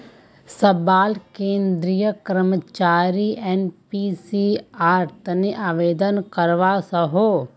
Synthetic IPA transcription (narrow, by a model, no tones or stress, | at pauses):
sɐbaːlkẽːnd̪ɾijəkɾmət͡ʃaːɾiʔɛːnpiːsiaːɾt̪əneʔaːʋeːd̪ənkɐɾʋasɐɦoː